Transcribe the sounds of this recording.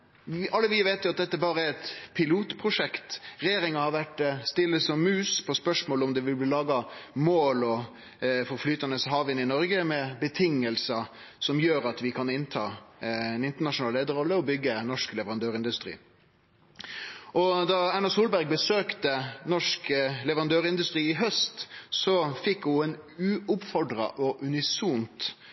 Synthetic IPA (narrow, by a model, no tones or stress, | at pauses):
ʔɑlːəʋɪʋeɪt̪jʊɑt̪̚d̪ɛt̪ːəbɑːɾəæɛt̪pʰɪluːt̪pʰʁʊʂɛkt̪ɾɛjeːɾɪŋɑhɑɾʋæʈst̪ɪlːəsɔmːʉːspʰɔspœʂmoːlɔmd̪ɛʋɪlblɪlɑːɡɑmoːlɔ | fɔɾflyːt̪ɑnəsɔɦɑɾʋɪɪnɪnɔɾɡəmɛbət̪ʰɪŋːəlsə | sɔmjøːɾɑt̪ʋɪkʰɑnɪnt̪ʰɑ̰ːɛnɪnt̪əɳɑʂnɑːleːd̪əɾɔlːəɔbʏɡːənɔʂklɛʋəʁɑnd̪øːɾɪnd̪ʉst̪ɾḭː | ɔd̪ɑænɑsuːlbæɾɡ̚bəsøːkt̪ənɔʂklɛʋəʁɑnd̪øːɾɪnd̪ʉst̪ɾiːɪɦœst̪sɔfɪkːʊɛnʉːʊpfɔɖɾɑ̰ʔɔʔʉnɪsuːnt̪